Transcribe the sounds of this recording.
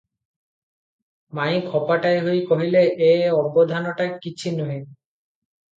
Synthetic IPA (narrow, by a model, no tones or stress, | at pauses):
majkʰɔpaʈajɦojkoɦileʔeɔbod̪ʱanoʈakit͡ɕʰinoɦi